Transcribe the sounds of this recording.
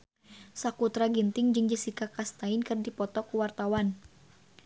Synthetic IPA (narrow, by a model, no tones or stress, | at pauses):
sakut̪ɾaɡint̪ɪŋd͡ʒɨŋd͡ʒəsikakast̪aɪnkɨrdipɔt̪ɔkuwart̪awan